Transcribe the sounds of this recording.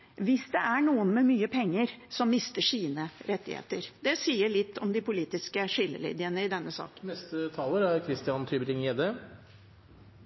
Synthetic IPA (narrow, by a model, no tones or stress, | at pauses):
ʋɪsd̪ɛʔæɳuːənmɛmyːəpʰɛŋːəɾsɔmːɪst̪əʂiːnəɾɛt̪ːɪ̰hḛːt̪əɾd̪ɛsiːəɭɪt̪ːɔmd̪ɪpʊliːt̪ɪskəʂɪlːə̰lḭːd̪ɪənəɪd̪ɛnːəsɑ̰ːknnɛst̪ət̪ʰɑːləɾæɾkʰɾɪst̪ɪɑnt̪ʰyːbəɾɪŋeːd̪ə